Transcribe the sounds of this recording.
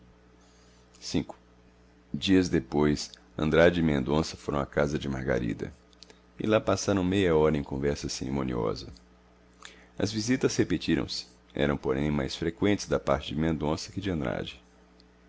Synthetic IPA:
sĩŋkʊ̥ | d͡ʒiɐzd̪epojs | ɐ̰̃nd̪ɾad͡ʒɪɪmẽnd̪õsɐfoɾɐ̃w̃akazɐd͡ʒɪmaɾɡa̰ɾḭd̪ɐ̰ | ɪ̰lapasaɾɐ̃w̃mejɐɔɾɐẽkõvɛɾsɐseɾimõniɔ̰zɐ̰ | ɐ̰zvizit̪ɐshepet͡ʃiɾɐ̰̃w̃sɪ̥ | ɛ̰ɾɐ̃w̃poɾẽj̃majsfɾekwẽnt̪ɪzd̪ɐpaɾt͡ʃɪd͡ʒɪmẽnd̪õsɐkɪd͡ʒɪɐ̃nd̪ɾa̰d͡ʒɪ

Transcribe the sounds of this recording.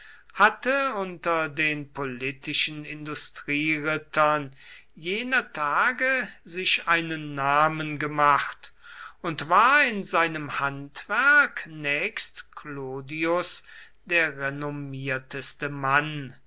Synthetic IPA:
hatəʊntɐdeːnpolɪtʰɪʃənɪndʊstʁ̥iːʁɪtʰɐn | jeːnɐtʰaːɡəzɪʃaɪnənːaːmənɡəmaχtʊntv̥aːɐɪnzaɪnəmhantv̥æɐknɛːkstkloːdiʊs | d̥eːɐʁɛnomiːɐtʰəstəman

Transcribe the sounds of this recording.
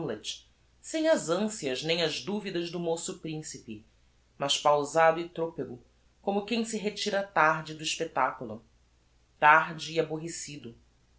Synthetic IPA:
let͡ʃ | sẽj̃ɐzɐ̃siɐznẽj̃ɐzd̪uvid̪ɐʒd̪ʊmosʊpɾĩsipɪ | mɐʃpawzad̪ʊit̪ɾopiɡʊ | kõmʊkẽj̃sɪɦet͡ʃiɾɐt̪aɾd͡ʒɪd̪ʊiʃpet̪akulʊ̰ | t̪aɾd͡ʒɪːaboɦesid̪ʊ

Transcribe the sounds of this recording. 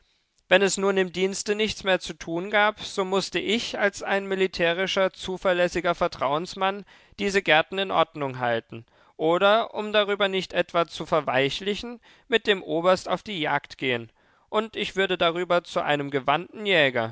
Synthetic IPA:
vɛnɛsnuːɐnɪmdiːnstənɪçt͡smeːɐt͡sutʰuːnɡaːpz̥oːmʊstəʔɪçalsaɪnmilitʰɛːʁ̞ɪʃɐt͡suːfɛɐlɛsɪɡɐfɛɐtʁ̥aʊənsman | d̥iːzəɡɛɐtn̩ɪnʔɔɐdnʊŋɦaltn̩ | ʔoːɾɐʔʊmdaʁ̞yːbɐnɪçtʔɛtv̥at͡sufɛɐvaɪçlɪçn̩ | mɪt̚d̥eːmʔoːbɐsta̰ʊfd̥iːjaːktɡ̥eːən | ʔʊntɪçv̥ʏɐdədaʁ̞yːbɐt͡suʔa̰ɪnəmɡəvantn̩jɛːɡɐ

